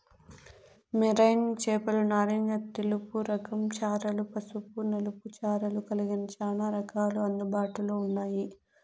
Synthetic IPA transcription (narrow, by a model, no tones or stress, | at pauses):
miɾɐjnt͡ʃɛːpɐlunaːɾiŋɡɐt̪ːelupuɾɐkɐmt͡ʃaːɾɐlupɐsupunɐluput͡ʃaːɾɐlukɐliɡinɐt͡ʃaːnaːɾɐkaːluɐnd̪ubaːʈuloːunːaːji